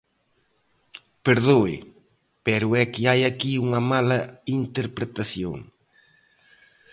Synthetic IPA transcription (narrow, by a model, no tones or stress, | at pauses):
peɾðoɪ̰ | pɛɾʊɛkɪajakiuŋɐmalɐint̪eɾpɾet̪aθjo̰ŋ